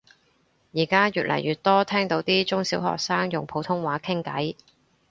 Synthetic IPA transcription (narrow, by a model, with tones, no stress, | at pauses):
jiː˨˩kaː˥jyː˨t̚lʔɐ̰˨˩jɥyː˨˩t̚t̪ɔː˥t̪ʰɛː˥ŋt̪o˨˧˥wt̪iː˥t͡sʊ˥ŋsiː˨˥wɦɔ̰ː˨k̚saː˥ŋjʊ˨ŋpʰo˨˥wt̪ʰʊ˥ŋwaː˨˥kʰɪ˥ŋkɐ˨˥j